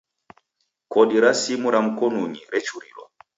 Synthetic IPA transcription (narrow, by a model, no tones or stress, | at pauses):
kɔɗiɾasimuɾamukɔnuɲiɾɛt͡ʃuɾḭlɔ̰